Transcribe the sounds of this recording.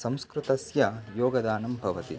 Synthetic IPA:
sɐ̃mskɾut̪ɐsjɐjɔːɡɐd̪aːnɐmbʱɐʋɐt̪ḭ

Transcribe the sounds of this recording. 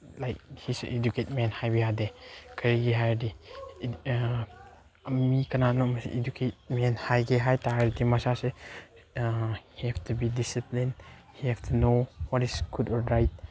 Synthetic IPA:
lajk̚hisʔeduket̚mɛnhajbihadekʰəɾiɡiɦajdi | mikɐnanɔmsʔedukʰet̚mɛnhajɡeɦajtaɾitimasase | hihɛftʰubidisiplinhihɛftʰunowɔtisɡ̥udɔɾɾajt̚

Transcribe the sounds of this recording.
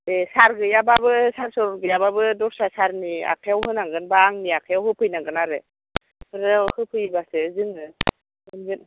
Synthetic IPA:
esaɾɡɯjababɯsaɾsɔɾɔɾɡɯjababɯdɔɾsasaɾnia̰kʰejawɦɯnaŋɡɯnbaːŋniakʰajawɦɯpʰɯjnaŋɡɯnaɾe | ɯɾɯhɯpʰɯjbasɯzɯŋɯ | ɯnɡɯn

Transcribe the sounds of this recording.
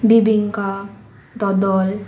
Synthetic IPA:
bibiŋka | d̪ɔd̪ɔl

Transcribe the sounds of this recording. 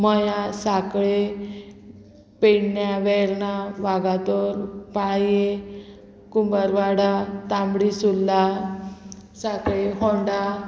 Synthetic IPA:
mɔjasakɭe | peɳɳjaʋɛɾnaʋaɡat̪ɔɾpaje | kumbəɾʋaɽat̪ãmbɽisulːa | sakɭeɦɔɳɖa

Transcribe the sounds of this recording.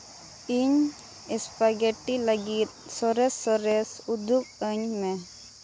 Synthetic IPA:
iɲ | ispaɡeʈːilɡi | sɔɾesɔɾesud̪uk̚əɲme

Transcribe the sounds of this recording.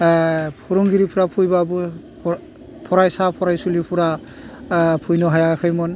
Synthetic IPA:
pʰuɾuŋɡiɾipʰuɾapʰujbabu | pʰɔɾajsapʰɔɾajsulipʰuɾa | pʰujnɔɦajakʰɯjmɔn

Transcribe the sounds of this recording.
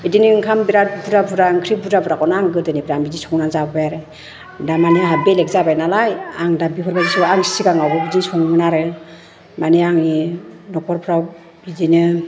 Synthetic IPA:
idiniŋkʰambiɾat̚buɾabuɾaŋkʰɾibudabuɾakɔnaŋɡɯdɯnibɾaŋbidisɔŋnaŋzabɔbajaɾe | damanɯabelek̚zabajnalajaŋdabipʰɔɾbazisuaŋsi̥siɡaŋawbɔbidisɔŋmɯnaɾɯ | maneaŋinɔpʰɔɾpʰɾaw | bidinɯ

